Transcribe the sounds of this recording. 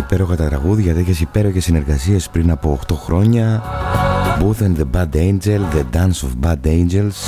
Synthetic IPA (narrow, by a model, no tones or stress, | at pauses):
ipe̞ɾo̞xɐt̪ɐt̪ɾɐɣuðʝɐt̪eçe̞sipe̞ɾo̞çe̞sːine̞ɾɣɐsiɐspɾinɐpo̞ːxt̪o̞xɾo̞ɲɐ | buθenðebɐd̪ejnd͡ʒelðed̪ɐnsofbɐd̪end͡ʒe̞ls